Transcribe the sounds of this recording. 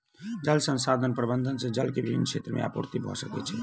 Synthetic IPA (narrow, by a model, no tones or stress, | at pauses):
d͡ʒəlsə̃nsad̪ʱənpɾəbənd̪ʱənsẽd͡ʒəlkebibʱinːkʰʃʰet̪ɾəmʔḛa̰puɾt̪ibʱɔ̰səkɛ̰t͡ʃʰɛ